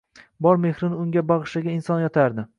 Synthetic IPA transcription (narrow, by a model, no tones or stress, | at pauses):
bɒɾme̞hɾɪnɪʊŋɡʲabɑʁɨʃaɡʲaɪnsɒnjɒt̪ʰaɾd̪ɪ